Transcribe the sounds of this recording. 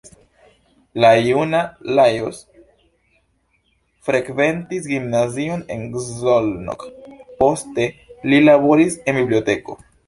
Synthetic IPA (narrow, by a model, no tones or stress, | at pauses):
lajunalajos | fɾe̞kve̞ntisɡimnazio̞ne̞̰nɡzolno̰kpo̞ste̞lilabo̞ɾise̞nbiblio̞te̞ko̞̰